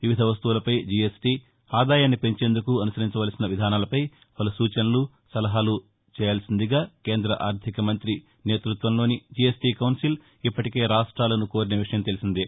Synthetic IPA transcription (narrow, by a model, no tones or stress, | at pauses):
ʋiʋid̪ʱɐʋɐs̬t̪uʋulɐpɐjd͡ʒiesʈiː | aːd̪aːjaːnːipe̞ɲt͡ʃe̞ːnd̪ukuɐnusɐɾiɲt͡ʃɐʋaːlsinɐʋid̪ʱaːnaːlɐpɐj | pɐlusuːt͡ʃɐnɐlu | sɐlɐɦaːlu | t͡ʃɛːjaːlsind̪iɡaːke̞ːnd̪ɾɐʔaːɾd̪ʱikɐmɐnt̪ɾi | ne̞ːt̪ɾut̪ʋɐnlo̞ːnid͡ʒiesʈiːkɐwnsil | ipːɐʈike̞ːɾaːʂʈɾaːlɐnuko̞ːɾineːʋiʂɐjɐmt̪e̞lisind̪i